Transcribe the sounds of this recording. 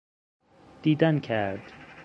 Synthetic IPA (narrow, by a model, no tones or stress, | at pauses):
d̪̥iːd̪ænkʲʰæɾd̪̥